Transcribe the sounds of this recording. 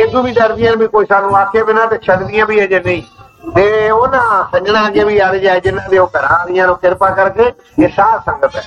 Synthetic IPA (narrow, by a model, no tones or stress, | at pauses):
ed̪ũːbiːdəɾd̪ɪjãːnbʱiːkoːiːsaːɾũːaːt̪ʰjabɪnãːt̪eːt͡ʃʰəɖd̪ɪjãːbʱiːɛːd͡ʒenəĩː | t̪eːonãːsəd͡ʒnãːd͡ʒeːbiːaɾd͡ʒaːeːd͡ʒɪnãːd̪eːoːkəɾaːd̪ɪjãːnũːkɪɾpãːkəɾkeː | eːsaːsə̃ŋɡət̪ɛː